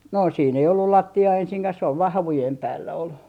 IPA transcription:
no siːn ei olːul lɑtːiɑː ensiŋkæh sĕ oʋ ʋɑː hɑʋujem pæːlːæ ol

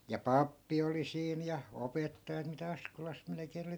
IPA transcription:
jɑ pɑpːi oli siːn jɑ opetːɑjɑt mitæ ɑskolɑs melĕkeːn oli

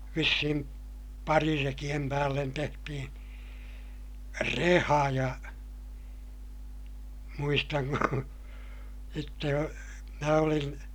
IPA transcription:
ʋisːihim pɑrirekij̆em pæːlːen tehtihin̞ rehɑ jɑ muistɑŋ ku sitːe jo mæ olin

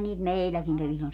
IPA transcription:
niːt meˑilːækiŋ kæʋi silːon

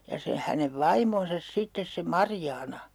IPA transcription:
jɑ se hæneʋ ʋɑimonsɑs sitːes se mɑrjɑːnɑ

